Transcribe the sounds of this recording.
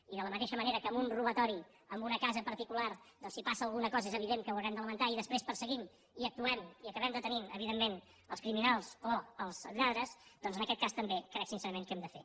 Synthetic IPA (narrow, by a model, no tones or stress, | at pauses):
iðələmət̪eʃəməneɾəkəːmbunruβət̪ɔɾi | əmbunəkazəpəɾt̪ikulard̪ɔnsipasəːlˠɣunəkɔzəɛzəβiðeŋkəwəwɾɛmd̪ələmənt̪aiðəspɾespəɾsəɣim | iək̚t̪uɛmiəkəβɛmd̪ət̪əniəβiðemːen | əlˠskɾiminalˠsoəlˠz̥ʎaðɾəsd̪ɔnzənəkɛt̪̚kast̪əmbekɾɛksinsɛɾəmẽŋkɛmd̪əfḛ